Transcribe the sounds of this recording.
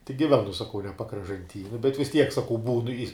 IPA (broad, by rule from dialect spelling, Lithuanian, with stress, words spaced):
tʲɪk ɡʲɪˈʋʲæːnʊ sɐˈkɐʊ nʲɛ pɐkrɐʒɐnʲˈtʲiː nʊ bʲɛt ʋʲɪs ˈtʲiɛk sɐˈkɐʊ ˈbuːnʊ ɪ